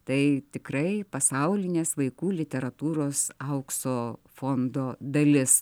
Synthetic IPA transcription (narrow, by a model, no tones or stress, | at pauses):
t̪ɐɪt̪ʲɪkɾɐɪpɐsɐʊlʲɪnʲeːsʋɐɪkuːlʲɪt̪ʲɛɾɐt̪uːɾoːsɐʊksoːfond̪oːd̪ɐlʲɪs